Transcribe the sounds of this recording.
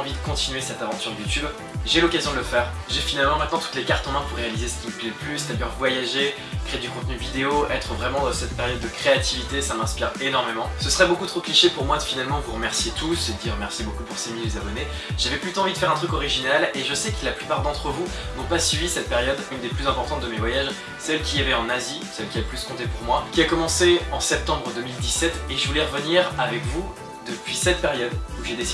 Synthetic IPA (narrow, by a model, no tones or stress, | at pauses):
ɑ̃vid̪əkɔ̃t̪inɥesɛt̪avɑ̃t̪yʁd̪jut̪yb | ʒelɔkazjɔ̃d̪ələfɛːʁ | ʒefinalmɑ̃mɛ̃t̪nɑ̃t̪u̥t̪lekaʁt̪ɑ̃mɛ̃puʁːealizesə̥kʲimupliləplysd̪ajœʁvwajaʒe | kχeed̪ykɔ̃t̪nyvid̪eoʔɛt̪χəvʁɛmɑ̃d̪ɑsɛt̪̚peʁjɔd̪ːəkχeat̪ʰivit̪esamɛ̃spiʁenɔʁmemɑ̃səsə̥χɛbokut̪χokliʃepuʁmwad̪əfinalmɑ̃vuʁəmɛʁsjet̪used̪əd̪iʁəmɛʁsjebokupuʁsemiljezabɔne | ʒ̥avɛplyt̪oɑ̃vid̪əfɛʁɛ̃t̪χykɔʁiʒinaleʒəsɛkəlaplypaʁd̪ɑ̃t̪χəvu | nɔ̃pasɥibisɛt̪̚peʁjɔd̪ynd̪eplyzɛ̃pɔʁt̪ɑ̃t̪̚d̪əmevwajaʒ | sɛlkʲiavɛɑ̃nazisɛlkʲiaplyskɔ̃t̪epuʁmwakʲiakɔmɑ̃seɑ̃sɛp̚t̪ɑ̃bʁəd̪ømild̪isɛt̪eʒəvulɛʁəvəniʁavɛkvu | d̪əpɥisɛt̪̚peʁjɔd̪uʒed̪esi